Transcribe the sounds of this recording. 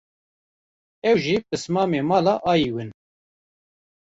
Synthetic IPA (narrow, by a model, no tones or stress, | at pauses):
ɛwʒipɨsmɑːmeːmɑːlaʔɑːjiːwɨn